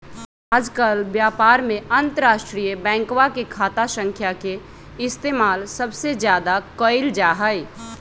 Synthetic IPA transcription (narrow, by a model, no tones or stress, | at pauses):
aːd͡ʒkəlbjaːpaːɾmẽənt̪əɾaːʃʈɾijəbɛ̃ːŋkwakekʰaːt̪asə̃ŋkʰjake | ɪst̪eːmaːlsəbsed͡ʒjaːd̪akəɪld͡ʒaːɦəɪ